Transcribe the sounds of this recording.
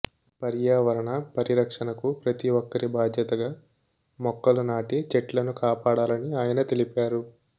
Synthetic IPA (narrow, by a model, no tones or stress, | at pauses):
pɐɾjaːʋɐɾɐɳɐpɐɾiɾɐkʂɐnɐkupɾɐt̪iʋɔkːɐɾibʱaːd̪ʱjɐt̪ɐɡaː | mɔkːɐlɐnaːʈit͡ʃeʈlɐnukaːpaːɽaːlɐniaːjɐnɐt̪e̞lipaːɾu